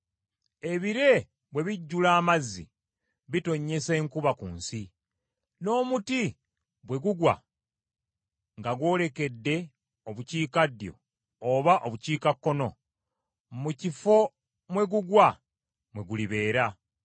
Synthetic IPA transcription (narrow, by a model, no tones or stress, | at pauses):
e̞βiɾe̞ | βwe̞βiɟːulaːmazːḭ | βito̞ɲːe̞se̞ːŋkuβakuːnsi | no̞ːmuti | βwe̞ɡuɡwa̰ | ŋɡaɡwo̞ːle̞ke̞dːe̞ | oβuciːkadjo̞̰ | oβaʔo̞βuciːkakːo̞no̞ | mucifo̞ | mwe̞ɡuɡwa | mwe̞ɡuliβe̞ːɾa